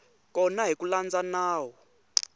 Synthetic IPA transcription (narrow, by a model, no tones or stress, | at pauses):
kʼɔnaɦikʼuland͡zanaːwɔ